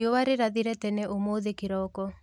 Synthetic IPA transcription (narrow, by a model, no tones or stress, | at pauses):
owaɾeɾaðiɾɛtɛnɛʔomoðekiɾɔkɔ